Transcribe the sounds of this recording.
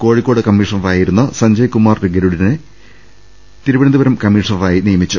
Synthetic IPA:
ko̞ːɻikʲːo̞ːɽɨkɐmːiːʂɐnɐʋaːjiɾunːɐsɐɲd͡ʑɐjkumaːrɾiɡɐɾuɽinɨ | t̪iɾubɐɳɐnd̪ɨbɐɾɐmkɐmːiːʂɐnɐʋaːjinijɐmit͡ɕːu

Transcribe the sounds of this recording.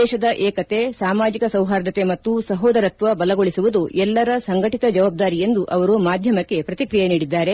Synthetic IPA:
ɛːʃɐd̪ɐʔɛːkɐt̪e̞saːmaːd͡ʒikɐsɐwɦaːɾd̪ɐt̪emɐt̪ːusɐɦɔːd̪ɐɾɐt̪ʋɐbɐlɐɡo̞ɭisuʋud̪uʔɛlːɐɾɐsɐŋɡɐʈit̪ɐd͡ʒɐʋaːb̚d̪aːɾije̞nd̪uʔɐʋɐɾumaːd̪ʱjɐmɐkːe̞pɾɐt̪ikɾijeniːɽid̪ːaːɾe̞

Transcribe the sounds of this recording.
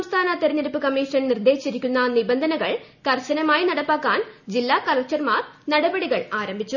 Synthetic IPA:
ɐmst̪ʰaːnɐt̪eɾɐɲːɐɾipːɨkɐmːiːʂɐnnird̪e̞ːɕiɾikʲːunːɐnibɐnd̪ʱɐnɐɣɐɭ | kɐrɕɐnɐmaːjinɐɽɐpːaːkːaːnd͡ʑilːaːkɐlɐk̚t͡ɕɐrmaːrnɐɽɐbɐɽiɣɐɭaːɾɐmbʱit͡ɕːu

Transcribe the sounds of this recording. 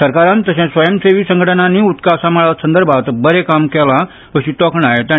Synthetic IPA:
səɾkaɾãnt̪əɕãsʋəjəmseʋiːsə̃ŋɡʱəʈənanːiːut̪kasãmaɭasənd̪əɾbʱat̪bəɾekamkɛla | pəɕit̪ɔkɳaet̪jã

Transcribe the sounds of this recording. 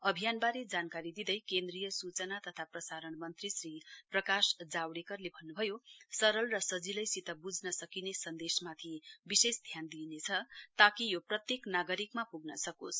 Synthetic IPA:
ʌbʱijanbaɾed͡zankaɾid̪id̪ʌjkend̪rijʌsut͡sʌnat̪ʌt̪ʰaprʌsaɾʌɳmʌnt̪risriprʌkasd͡zawɽekʌrlebʱʌnːubʱʌjosʌɾʌlrʌsʌd͡zilʌjsit̪ʌbud͡znʌsʌkinesʌnd̪esmat̪ʰibisesd̪ʱjand̪inet͡sʰʌt̪akijoprʌt̪jeknaɡʌɾikmapuɡnʌsʌkosʰ

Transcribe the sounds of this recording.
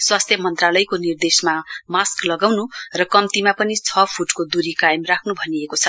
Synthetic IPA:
swast̪ʰjʌmʌnt̪ralʌjkonird̪esmamasklʌɡawnurʌkʌmt̪imapʌnit͡sʰʌpʰuʈkod̪uɾikajemrakʰnubʱʌniekot͡sʰʌ

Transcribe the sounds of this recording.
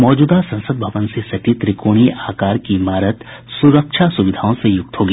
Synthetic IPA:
mɔːd͡ʒuːd̪asɐ̃nsəd̪̚bʱɐʋənsesɐʈit̪ɾɪkoːɽ̃iʔaːkaːɾkimaːɾət̪sʊɾəkʃʰasʊʋɪd̪ʱaːõsejʊk̚t̪ɦoːɡiː

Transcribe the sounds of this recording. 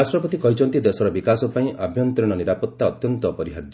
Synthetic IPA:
asʈɾɔpɔt̪ikɔɦit͡ʃʰɔnt̪id̪esɔɾɔbikasɔpaĩʔabʱjɔnt̪ɾiɽ̃ɔniɾapɔt̪ːaɔt̪jɔnt̪ɔpɔɾiɦaɾd͡ʒ̪

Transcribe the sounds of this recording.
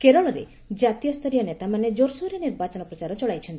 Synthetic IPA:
keɾɔɭɔɾḛ | d͡ʒat̪ijɔst̪ʰɔɾijɔnet̪amaned͡ʒoɾsuɾeniɾbat͡ʃɔnɔpɾɔt͡ʃaɾɔt͡ʃɔɭajt͡ʃʰɔnt̪i̥

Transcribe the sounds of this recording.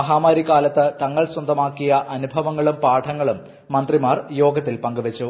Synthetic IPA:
ɐɦaːmaːɾikːaːlɐt̪ːɨt̪ɐŋːɐɭswɐnd̪ʱɐmaːkːijɐʔɐnubʱɐʋɐŋːɐɭumpaːʈʰɐŋːɐɭumː | ɐnd̪rimaːrjo̞ːɡɐt̪ːilpɐŋɡuʋɐt͡ɕːu

